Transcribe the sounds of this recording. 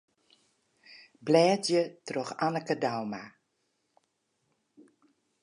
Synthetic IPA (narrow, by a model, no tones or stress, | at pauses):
blɛːtjətrɔxanəkədawma